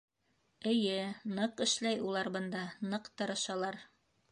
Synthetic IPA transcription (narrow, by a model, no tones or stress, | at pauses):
ɘ̆jɘnɤqɘ̆ʃlæjulˠɑɾbɤ̆nd̪ɑnɤqt̪ɤ̆ɾɤ̆ʃɑlˠɑɾ